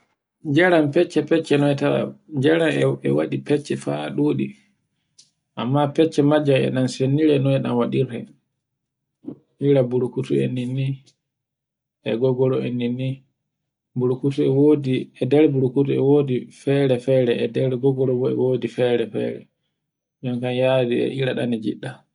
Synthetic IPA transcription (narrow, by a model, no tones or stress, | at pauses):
d͡ʒaɾampɛt͡ʃːɛpɛt͡ʃːɛnɔɛtaa̰d͡ʒaɾamɛ̰waɗipɛt͡ʃːɛfa̰ɗoːɗi | ʔamːapɛt͡ʃːɛmad͡ʒamɛ̰ɗansenːiɾɛnɔɛɗamwaɗiɾɛ | ʔiɾabuɾukutuḛnːinːi | ʔɛɡɔɡɔlɔḛnːinːi | buɾkutuɛwodiɛdɛɾbuɾukutuɛwoːdifɛɾɛfɛːɾɛɛdɛɾɡɔɡɔlɔbɔɛ̰woːdifɛɾɛfɛ̰ɾɛ̰ | d͡ʒɔmkanjadiɛ̰ʔiɾaɗa̰nid͡ʒḭɗːa